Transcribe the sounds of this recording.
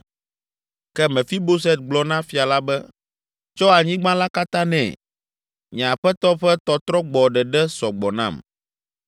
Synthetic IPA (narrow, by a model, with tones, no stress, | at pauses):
kɛ˦mɛ̃˨fi˦bo˦sɛ˦t̪̚ɡ͡blɔ˦nã˦fi˨a˨la˦bɛ˦ | t͡ʃɔ˦a˨ɲĩ˦ɡ͡bã˦la˦ka˦t̪ã˦nɛ̰̃˨ | ɲɛ̃˨a˨ɸɛ˦t̪ɔ˦ɸɛ˦t̪ɔ˦t̪ɾɔ˦ɡ͡bɔ˨ɖɛ˨ɖɛ˦sɔ˨ɡ͡bɔ˨nã̰˦˨m